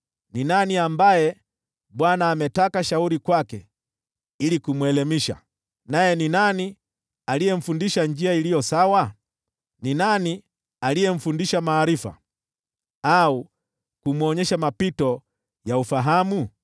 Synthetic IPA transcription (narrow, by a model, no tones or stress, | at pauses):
ninaniambajɛ | ɓwanaːmɛtakaʃauɾikwakɛ̰ | ilikumwɛlɛmiʃa̰ | najɛninani | alijɛm̩fundiʃand͡ʒiailijɔsawa | ninani | alijɛm̩fundiʃamaːɾifa̰ | au | kumuɔɲɛʃamapitɔ | jaufaɦamu